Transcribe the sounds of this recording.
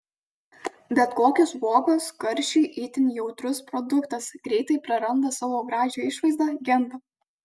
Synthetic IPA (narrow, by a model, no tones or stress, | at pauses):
bʲɛt̪koːkʲʊsʋoːɡoːskɐɾʲʃʲiːʔit̪ʲɪnʲjɛʊt̪ɾʊspɾɔd̪ʊkt̪ɐsɡ̥ɾʲɛɪt̪ɐɪpɾɐɾɐnd̪ɐsɑːʋoːɡɾɑːʒʲoːɪʃʋɐɪzd̪ɐɡʲɛmb̪ɐ